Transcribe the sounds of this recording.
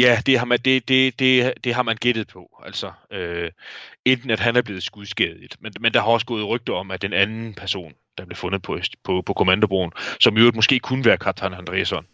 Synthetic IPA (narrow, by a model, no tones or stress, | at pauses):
jæd̥e̝ɦɑ̈mæd̥e̝d̥e̝d̥e̝d̥e̝ɦɑ̈mænɡ̥ed̥ð̩ˠpʰɒ̽æl̰sɒø | end̥n̩æd̥ɦænæɐb̥le̝ːð̩ˠsɡ̥uðˠsɡ̥eðˠid̥menmend̥ɑ̈ɦɑ̈ɒ̽sɡ̥ɔ̽ːð̞̩ˠʁœɡ̥̚d̥ɐɒ̽mæd̥enænn̩pʰæɐso̝̰ːn | d̥ɑ̈b̥le̝fɔ̽nð̞ˠpʰɒ̽pʰɒpʰɒ̽kʰo̝mænd̥ob̥ʁo̰ːn̩sɒ̽mjod̥̚mɒ̽sɡ̥e̝̰ːkʰunʋæːɐkʰɑ̈t͡sʰɑnænd̥ʁɛ̰ːsɒ̽n